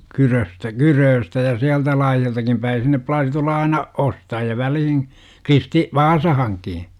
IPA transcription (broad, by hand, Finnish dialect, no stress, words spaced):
kyrøstæ kyrøːstæ jɑ siæltæ lɑːjɑltɑkim pæi sinːe plɑːsi tulːɑ ɑinɑ ostɑjiɑ ʋælihin kristi ʋɑːsɑhɑŋki